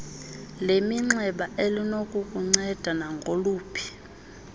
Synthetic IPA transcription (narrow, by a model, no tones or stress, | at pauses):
lemiŋ͡ǀɛɓaʔelinokʼukʼuŋ͡ǀɛd̥ʱanaŋɡʱoluːpʰi̥